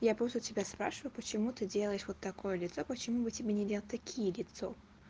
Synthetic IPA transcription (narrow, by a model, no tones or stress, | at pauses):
japɾost̪tʲɪbʲaspɾa̰ʂɨvəjʊpət͡ɕɪmut̪ɨdʲelˠəjɪʂvo̞t̪ːɐko̞jəlʲɪt̪so̞pət͡ɕɪmubɨtʲɪbʲenʲɪdʲelˠʲt̚ʲt̪ɐkʲʰijəlʲɪt̪so̞